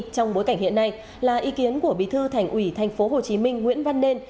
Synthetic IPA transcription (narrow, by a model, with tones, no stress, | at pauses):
t͡ɕɔ˧wŋ͡mɓo˨˦jka˧˩ŋ̟hḭ˧˨ənːa˧j | laː˨˩ʔi˨˦ki˨˦ənku˧˩əɓḭ˧˨t̪ʰɨ˧t̪ʰɛ˨˩jŋ̟ʔwi˧˩t̪ʰjŋ̟fo˨˦ɦo˨˩t͡ɕi˨˦mï˧ŋ̟ŋwḭ˧˥ənva˧nːe˧n